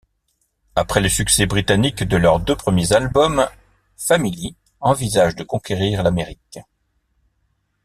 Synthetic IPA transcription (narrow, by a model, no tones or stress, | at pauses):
apχɛləsyksɛbʁit̪anikd̪əlœʁd̪øpχəmjezalbɔm | famili | ɑ̃vizaʒd̪əkɔ̃kʲeʁiʁlameʁik